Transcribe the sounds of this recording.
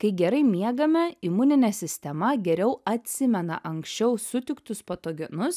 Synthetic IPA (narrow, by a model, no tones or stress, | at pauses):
kɐɪɡʲɛɾɐɪmʲiɛɡɐmʲɛɪmʊnʲɪnʲɛsʲɪsʲt̪ʲɛmɐɡʲɛɾʲɛʊɐt̪ʲsʲɪmʲɛnɐ̰ʔɐŋksʲt͡ʃʲɛʊsʊt̪ʲɪkt̪ʊspot̪oːɡʲɛnʊs